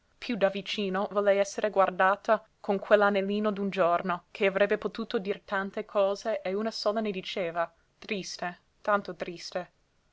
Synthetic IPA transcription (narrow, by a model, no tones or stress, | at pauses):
pʰjud̪avit͡ʃiːnovolɛjɛsːeɾʔeɡward̪aːt̪a | kʰoŋkʰwelːanelːiːnod̪und͡ʒornokʰeavɾɛbːepot̪uːt̪od̪iːɾet̪ant̪ekʰɔːzeʔeunasɔːlaned̪it͡ʃeːva | t̪ɾist̪e | t̪ant̪ot̪ɾist̪e